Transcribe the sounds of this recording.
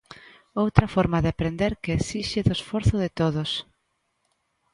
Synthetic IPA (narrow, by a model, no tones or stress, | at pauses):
owt̪ɾɐfɔɾmaðɪapɾend̪eɾkeːsiʃɪðʊesfoɾθʊðɪt̪oðʊs